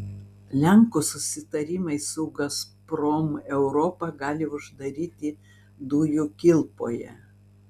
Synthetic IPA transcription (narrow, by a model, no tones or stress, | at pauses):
lʲɛŋkusʊsʲɪt̪ɐɾʲɪːˑmɐɪsʊɡɐspɾɔmɛʊɾɔpɐɡɑːlʲɪʊʒd̪ɐɾʲiːt̪ʲɪ | d̪uːjʊkʲɪlˠpoːjɛ̰